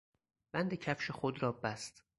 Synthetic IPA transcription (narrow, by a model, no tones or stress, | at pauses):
b̥ænd̪ecʰæfʃexod̪ɾɒːbæst̪